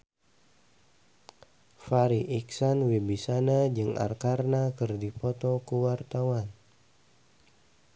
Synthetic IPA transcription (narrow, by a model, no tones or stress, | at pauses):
faɾiʔiksanwibisanad͡ʒɨŋʔa̰rkarnakɨrdipɔt̪ɔkuwart̪awan